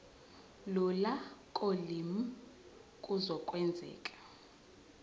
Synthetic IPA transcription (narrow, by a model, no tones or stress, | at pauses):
lɔlakʼolimu | kʼuzɔkʼwɛnd͡zʱɛ̰ːkʼḁ